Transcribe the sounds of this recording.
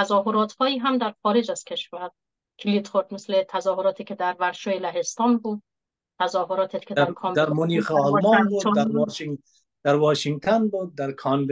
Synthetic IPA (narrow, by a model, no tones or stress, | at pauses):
t̪æzɒːɦoɾɒːt̪hɒːjiːɦæmd̪æɾxɒːɾed͡ʒæz̥kʲʰe̞ʃvæɾ | kʰilit̪xoɾd̪meslet̪ʰæzɒːɦoɾɒːt̪ʰekʰed̪æɾvæɾʃoːjelæɦe̞st̪ɒːnbuːd̪ | t̪ʰæzɒːɦoɾɒːt̪ʰekʰed̪æɾɾkʰɒːmd̪æɾmʊniːxeɔlmɒnbuːd̪ɾŋ | d̪̥æɾwɒːʃiŋɡ̚t̪ʰonbud̪̚ːæɾkʰɒnb